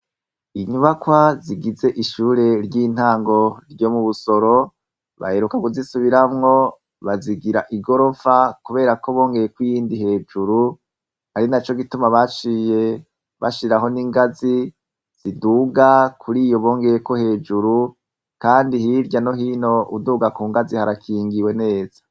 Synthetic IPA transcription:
iɲuβakwaziɡize̞ʔiʃuːɾe̞ɾɟiːn̥aːŋɡo̞ɾɟo̞muβuso̞ɾo̞ | βa̰he̞ɾukaɡuzisuβiɾamŋo̞ | βaziɡiɾaʔiɡo̞ɾo̞fakuβe̞ːɾakoβo̞ːŋɡe̞jekwijiːndihe̞ːd͡ʒuɾu | haɾinat͡ʃo̞ɡitumaβat͡ʃije̞ | βaʃiɾaɦo̞niŋɡazi | z̥iduːɡakʰuɾiːjo̞βo̞ːŋɡe̞ɾeko̞he̞ːd͡ʒuɾu | kaːndihiɾɟano̞ɦino̞ʔuduːɡakuːŋɡazihaɾakʰiːŋɡiwe̞ne̞ːz̥ḁ

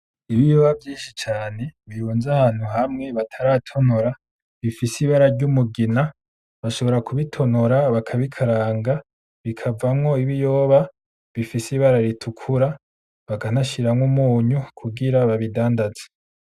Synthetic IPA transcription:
iβijoːβavjiːnʃit͡ʃaːne̞βijuːnzahaːn̥huɦamŋe̞βatʰaɾatʰo̞noɾa | βifisiβaɾaɾɟumuɡina | βaʃo̞βo̞ɾakuβitʰo̞noɾaβakʰaβikʰaɾaːŋɡa | βikʰavamŋo̞iβijo̞ːβa | βifisiβaɾaɾitʰukʰuɾa | βaɡanaʃiɾamŋumuːɲukʰuɡiɾaβaβidaːndazḁ

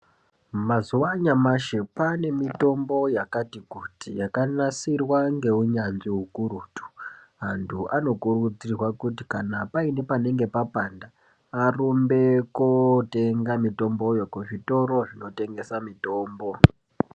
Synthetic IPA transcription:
mazuʋaɲamaʃepane̞mito̞mbo̞jakatikutijakanasirwaŋɡe̞uɲanziɦukuruːtu̥ɦantʰuʔano̞kurud͡zirwakutikanapaine̞pane̞ŋɡe̞papandaː | rombe̞kote̞ŋɡamito̞mbo̞jokuʐito̞ɾo̞ʐino̞te̞ŋɡe̞samito̞ːmbo̞

